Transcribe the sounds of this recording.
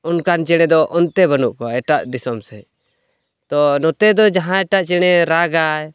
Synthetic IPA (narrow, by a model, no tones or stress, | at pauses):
ɔnkant͡ʃɛɽ̃ɛd̪ɔʔɔnt̪ɛbənuʔkɔaɛʈaʔd̪isɔmsɛ | t̪ɔnɔt̪ɛd̪ɔd͡ʒaɦãɛʈaʔt͡ʃɛɽ̃ɛɾaɡaj